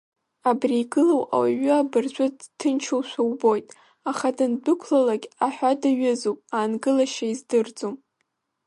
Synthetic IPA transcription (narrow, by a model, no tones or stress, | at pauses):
abriːɡɨlowa̰waɥʏabɨrt͡ɕʷʼʊdtʰːɨnt͡ʃʰowʃʷawbo̞jtʼ | aχadɨndɨkʷʰlalaɡʲaħʷᶣadaɥɪzupʼaːnɡɨlaʃaizdɨrd͡zom